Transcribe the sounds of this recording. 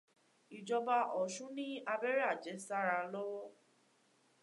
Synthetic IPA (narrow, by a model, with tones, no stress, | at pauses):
i˨d͡ʒɔ˧ba˧ʔɔ˨ʃũ˨˦nĩ˦a˧bɛ˦ɾa˦˨d͡ʒɛ˨˦sa˦ɾa˧lɔ˦wɔ˦